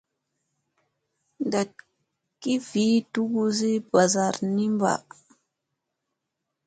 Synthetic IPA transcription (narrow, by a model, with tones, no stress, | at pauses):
nda˨t̚ | ki˦vi˨˦tu˦ɡu˦zi˦ba˨za˨ɾni˦mba̰˨